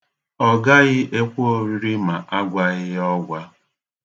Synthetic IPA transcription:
ɔ˦ɡa˦ɣɪ˦ʔe˦kʷu˦o˨ɾi˦ɾi˦ma˨ʔa˦ɡʷa˦ɣɪ˦jɔ˦ɡʷa˦

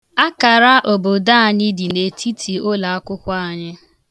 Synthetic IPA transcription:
a˦ka˨ɾa˦ʔo˨bo˨da˦a˨ɲɪ˦di˨ne˨tʰi˦tʰi˨o˦la˨a˦kʷʊ˦kʷʊ˦a˦˨ɲɪ˦

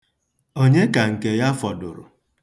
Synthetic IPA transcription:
o˦ɲe˦ka˨ŋ̩˨ke˨ja˦fɔ˨dʊ̰˨ɾʊ̰˨

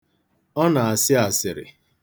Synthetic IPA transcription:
ɔ˦na˨a˨sɪ˦a˨sɪ˨ɾɪ̰˨

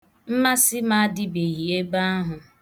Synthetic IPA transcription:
m̩˦ma˦sɪ˦ma˦dɪ˦be˨ɦi˨e˦ɡ͡ba˦a˦ɦʊ˨

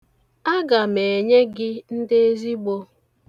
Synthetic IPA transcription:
a˦ɡa˨me˨ɲe˦ɡɪ˦n̩˦de˦e˦zi˦ɡ͡bo˦

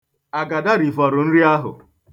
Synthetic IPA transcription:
a˨ɡa˨da˦ɾi˨fɔ˨ɾʊ˨n̩˦ɾi˦a˦ɦʊ̰˨

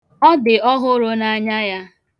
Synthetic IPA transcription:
ɔ˦dɪ˨ɔ˦ɦʊ˦ɾʊ˦na˦ɲa˦ja˦

